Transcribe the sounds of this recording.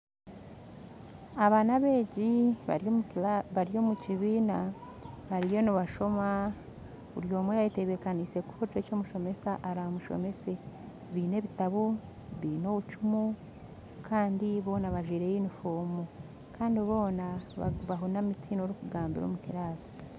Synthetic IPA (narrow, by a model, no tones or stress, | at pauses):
aβaːnaβe̞ːɟi | βaɾijo̞muciβiːna | βaɾijo̞niβaʃo̞ma | βuɾjo̞ːmwejajite̞βekanise̞kuot͡ʃweco̞ːmuʃo̞me̞saʔaɾaomuʃo̰me̞se̞ | βiːne̞βitaβo | βiːno̞ːβut͡ʃumu | kʰaːndiβo̞ːnaβaʒiːɾejinifoːmo | kaːndiβo̞ːnaβaɦunamitinoɾukuɡaːmbiɾo̰mukiɾaːsi̥